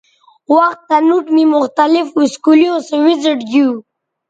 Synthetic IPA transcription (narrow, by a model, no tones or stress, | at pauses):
waxt̪ːanuʈmimʊxt̪alɪfiskulijõsəwɪzɪʈɡu